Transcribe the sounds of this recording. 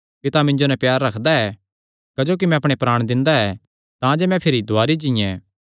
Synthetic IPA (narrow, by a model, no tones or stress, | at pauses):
pɪt̪amɪ̃ɲd͡ʒonɛpjaːɾːɐkʰd̪aɛ | kɐd͡ʒoːk̬imɛ̃ɐpɽ̃epɾaːɽ̃d̪ɪ̃nd̪aɛ | t̪ãd͡ʒemɛ̃pʰɪɾid̪ʱʊaːɾid͡ʒɪ̃jɛ̃